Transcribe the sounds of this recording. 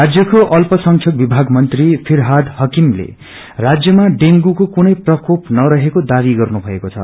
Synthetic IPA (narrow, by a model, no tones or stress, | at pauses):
rad͡zjʌkoʔʌlpʌsʌŋkʰjʌk̚bibʱaɡmʌnt̪ripʰirɦad̪hʌkimlḛ | rad͡zjʌmaɖeŋɡukokunʌjprʌkopnʌɾʌɦekod̪aβiɡʌrnubʱʌḛkot͡sʰʌ̰